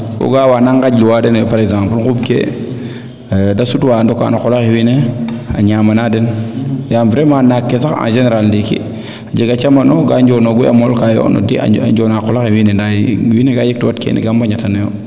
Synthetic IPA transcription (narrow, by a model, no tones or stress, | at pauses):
ko̰ɡawanaŋɡaɟluwadɛnjpaɾɛɡzãmpəlɡubkḛ | dasutwandɔka̰naxɔlakewineaɲaːmanadɛnjamfɾɛmanakːesaxã̰ːnʒeneɾalndikḭ | aɟiɡat͡ʃamanɔɡaɲd͡ʒɔːnoɡuja̰mɔlkajɔ̰nɔ̰dia̰ɟɔnakɔlaxewinendajwineɡajik̚tuwatkḛnḭɡambaɲatanejo